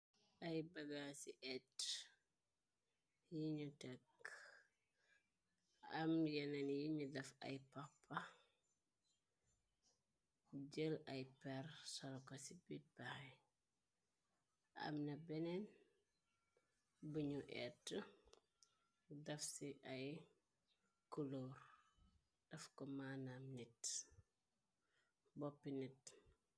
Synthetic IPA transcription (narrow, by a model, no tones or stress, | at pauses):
ʔɐjbɐɡasiʔɛt | jiɲutɛk | ɐmjɛnɐnjiɲudɐfɐ̰jpɐpʰːɐ | ɟəlɐjpɛrsɔlɔkɐsibit̚baxj | ɐ̰mnɐbɛnɛn | buɲuʔɛ̰tːə | dɐfsiʔɐj | kuloːr | d̥ɐfkɔmaːnamnit | bɔpːinit